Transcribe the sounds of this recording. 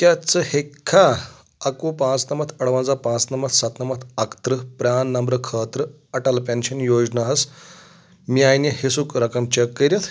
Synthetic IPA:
kjat͡səhekʰːa | ɐkuːpãːt͡snɐmɐt̪ʰɐɽʋɐnd͡zapãːt͡snɐmɐt̪sɐt̪nɐmɐt̪ʰɐkt̪ɾəpɾʲaːnːɐmbɾɐkʰəːt̪ɾə | ɐʈɐlpenɕɐnjoːd͡ʑnaɦɐs | miajnjɐhesukɾɐkɐmt͡ɕɐkːəɾʲjɐt̪ʰ

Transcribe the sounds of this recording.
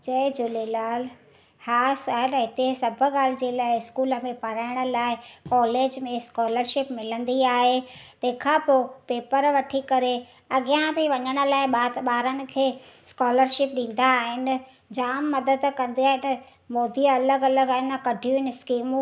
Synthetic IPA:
t͡ɕɐɪd͡ʑʊlelaːl | haːsaɦnɦɪt̪esɐbʱʊ̆ɡaːl̤ɪd͡ʑeːlaːɪɪskuːlə̆mẽpɐɾaːɪɽ̃ʊ̆laːɪkɔːleːd͡ʑmẽskɔːləɾʃɪpmɪlə̃nd̪iaːɦet̪ɐ̃ɦɪkʰãpopeːpəɾʋɐʈʰikɐɾe | ɐɠɪjãbɪʋɐɲəɽ̃ə̆laːɪɓaːɓaːɾənɪ̆kʰeː | skɔːləɾʃɪp̚ɗĩːn̆d̪aːɦɪnɪ̆ | d͡ʑaːmːɐd̪əd̪kɐ̃nd̪iaːɦɪnɐ | moːd̪iɐləɡɐləɡaːɦɪnkɐɖʱijũɪnɪɪskiːmũ

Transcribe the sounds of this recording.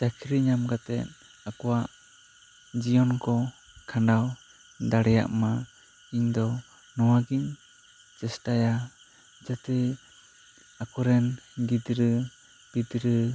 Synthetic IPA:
d͡ʒakʰiɾiɲamɡat̪ɛ̰t̪̚ | akɔwaʔ | d͡ʒiɔnkɔ | kʰaɳɖaw | d̪aɽɛja̰ʔma | iɲd̪ɔ | nɔwaɡiɲ | d͡ʒɛsʈaja | d͡ʒat̪ɛ | akɔɾɛnɡid̪ɾɯ | b̥id̪ɾɯ

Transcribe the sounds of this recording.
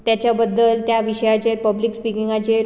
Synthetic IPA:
t̪jat͡ɕjabəd̪ːəlt̪jaʋiɕəjat͡ɕeɾpəblikspikiŋɡat͡ɕeɾ

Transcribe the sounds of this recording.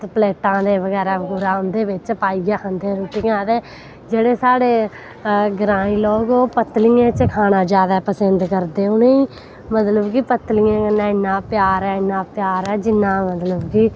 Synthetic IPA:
pleːʈãːd̪eːʋəɡɛːɾaːɡʊɾaːʊnd̪eːʋɪt͡ʃpaːiːɡaːkənd̪ẽːɾuːʈiːãːt̪eː | d͡ʒeːɽeːsaːɽeː | ɡɾãːĩːlɔːɡoːpət̪lijẽːt͡ʃəkʰaːnãːd͡ʒaːd̪aːpəsənd̪kəɾd̪eːʊneːiː | mət̪ləbkipət̪lɪjãːkɪnːãːɪnːãːpɪjaːɾɛːɪnːãːpjaːɾɛːd͡ʒɪnːãːmət̪ləbkiː

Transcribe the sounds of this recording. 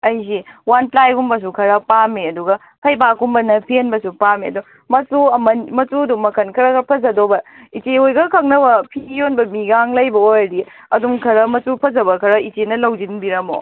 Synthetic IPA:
ɐjziwanplajɡumbɐs̬ukʰɐɾɐpameɐduɡɐ | pʰɐjbakumbɐnɐpʰienbɐsupameɐdu | mɐsuɐmɐnmɐtuduŋmːɐkʰɐnkʰɐɾɐkpʰɐzɐdobɐ | it͡ʃeojɡɐkʰɐŋnɐbɐpʰijonbɐmiɡaŋlɐjbɐojɾi | ɐdumkʰɐɾɐmɐsupʰɐzɐbɐkʰɐɾɐit͡ʃenɐlɐwd͡ʒinbiɾɐmo̰

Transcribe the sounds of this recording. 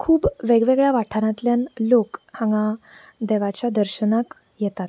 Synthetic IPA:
kʰuːbʋeɡʋeɡɭjaʋaʈʰaɾãt̪ljanlokhãŋɡa | d̪ɛʋat͡ɕjad̪əɾɕənak | jɛt̪at̪

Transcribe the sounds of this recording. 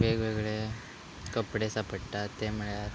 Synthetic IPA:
ʋeɡʋeɡɭe | kəpɽesapəɽt̪at̪ːemuɭe

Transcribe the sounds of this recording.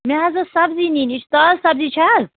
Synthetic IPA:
meɦɐzɐsɐbzininit͡ʃʰt̪azsɐbzit͡ʃʰaz

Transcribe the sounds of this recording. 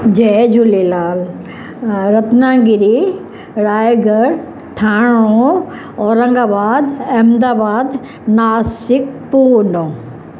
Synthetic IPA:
d͡ʑed͡ʑʱulilaːl | ɾɐt̪nãːɡɪɾi | ɾaːeɡɐɾ | ʈʰaːɽ̃o | ɔːɾɐ̃ŋɡaːbaːd̪ɛːmd̪aːbaːd̪ | naːsɪk̚puːnõː

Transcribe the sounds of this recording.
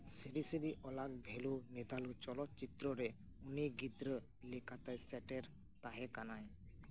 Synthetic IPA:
siɾisiɾiʔɔlak̚bʱelunɛd̪ʱalut͡ʃɔlɔt͡ʃit̪ɾɔɾɛ | uniɡid̪ɾə | likat̪ajsɛʈɛɾ | t̪aɦɛkanaj

